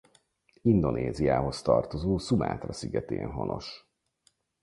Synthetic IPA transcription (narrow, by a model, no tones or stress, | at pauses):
ind̪o̞nʔeːzijaːɦo̞st̪ɒrt̪o̞zoːsuma̰ːt̪rɒsiɡɛt̪ḛːnɦo̞nʔo̞ʃ